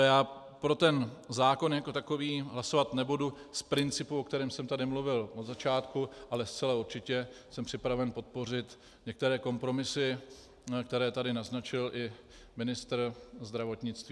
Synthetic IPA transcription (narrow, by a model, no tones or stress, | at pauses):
jaː | pɾo̞t̪ɛnzaːko̞njako̞t̪ako̞viːɦlaso̞vat̪nɛbuduspɾɪnt͡sɪpuok̚t̪ɛɾɛːmsɛmt̪adɪmluvɪlʔod̪zat͡ʃaːt̪kuʔalɛst͡sɛlauɾt͡ʃɪcɛsɛmpr̥ɪpɾavɛnpo̞t̪̚po̞r̝ɪt̪ | ɲɛk̚t̪ɛɾɛːko̞mpɾo̞mɪsɪ | kt̪ɛɾɛːt̪adɪnaznat͡ʃɪlʔɪ | mɪnɪst̪ɾ̩zd̪ɾavo̞t̪ɲɪt͡st̪viː